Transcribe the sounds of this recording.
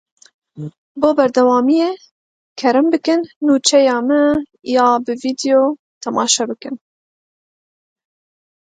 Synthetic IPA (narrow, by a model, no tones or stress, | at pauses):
boːbɛɾd̪ɛwɑːmijeː | kʰɛɾɨmbɨkɨnːuːt͡ʃʰɛjɑːmɨjɑːbɨviːd̪joː | t̪ʰɛmɑːʃɛbɨkɨn